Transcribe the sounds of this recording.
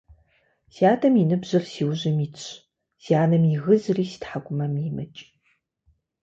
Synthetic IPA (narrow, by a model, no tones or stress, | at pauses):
siaːtʰɐminɨbʑɐrsiːwʑɪmiːɕ | siaːnɨmiɣɨzriːsi̥tħaɡʷʊmɐmimɐ̰t͡ʃʼ